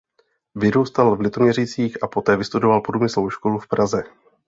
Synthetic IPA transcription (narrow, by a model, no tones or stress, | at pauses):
vɪɾuwst̪alvlɪt̪o̞mɲɛrit͡siːxʔapo̞t̪ɛːvɪst̪udo̞valpodumɪslowʃko̞lufpɾʔazɛ